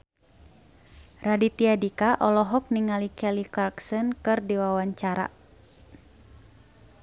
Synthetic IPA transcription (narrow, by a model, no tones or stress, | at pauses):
radit̪iadikaʔɔlɔɦɔk̚niŋalikɛlikarksɔnkɨrdiwawaɲt͡ʃaɾa̰